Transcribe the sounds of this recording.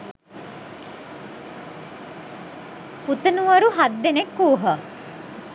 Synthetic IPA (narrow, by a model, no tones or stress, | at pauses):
put̪ənuʋɐɾuɦad̪ːenekːuːɦə